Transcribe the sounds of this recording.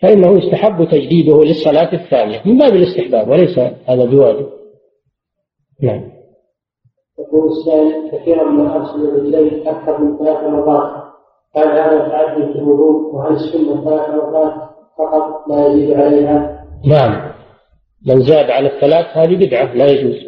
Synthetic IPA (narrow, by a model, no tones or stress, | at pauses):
faʔɪnːahujʊst̪aħabːt̪ad͡ʒd̪iːd̪ʊhlɪsˤːɑlaːt̪aθːaːnɪjamɪmbaːbɪlɪst̪ɪħbaːbwɪlajsahaːðabɪwaːd͡ʒɪb̚ | naʕam | t̪aquːlɪsːaːʔɪlkaθiːɾanmɪnaʔɑɾˤsʊlɪlʕɪd͡ʒlaːnɪt̪aʔakːɑɾˤmɪnθalaːθɾɑmɑðˤɑːt̪ | kaːnhaːðat̪ʕad̪ːifɪlwʊðˤuːd̪wɦalɪsːʊnːaθalaːθɾmɑðˤɑːt̪ | fɑqɑt̪̚ˤmajaziːd̪ʕalajɦanaʕamː | ɪnzaːd̪ʕalaθːalaːθhaːðibɪd̪ʕalajad͡ʒuːz